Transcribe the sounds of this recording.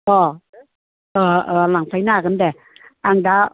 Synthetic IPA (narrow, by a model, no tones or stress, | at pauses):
ʔɔː | ʔɤːʔɤːlaŋfʰajnaːkandɛ | ʔaŋda